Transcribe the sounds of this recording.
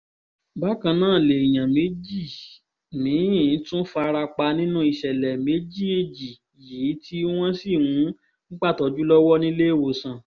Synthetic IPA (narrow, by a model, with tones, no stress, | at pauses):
ba˨˦kã˧nãː˦˨le˨i˨j̃ã˨me˨˦d͡ʒi˦˨ | mĩ˨˦ĩ˦˨˦tũ˦fa˧ɾa˧k͡pa˧nĩ˦nũ˦i˧ʃɛ˨lɛ˨me˨˦d͡ʒi˦˨e˨d͡ʒi˨ | ji˨˦tʰi˦w̃ɔ̃˦si˦˨wũ˨˦ | ñ̩˦k͡pa˦˨tɔ˨˧˦d͡ʒu˦lɔ˦wɔ˦nĩ˦le˦e˦˨wo˧˨sã˨